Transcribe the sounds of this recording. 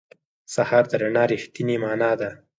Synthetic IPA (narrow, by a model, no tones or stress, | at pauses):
sahɑɾd̪əɾanɑɾixt̪inemɑːnɑd̪a